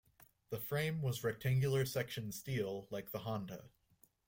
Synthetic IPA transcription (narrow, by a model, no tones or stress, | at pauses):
ðəfɹẽɪ̃mwʌzɹɛk̚tʰæ̃ŋɡjl̩ˠə˞sɛkʃɨ̃nstilˠlaɪk̚ðəɦɑ̃ndə̰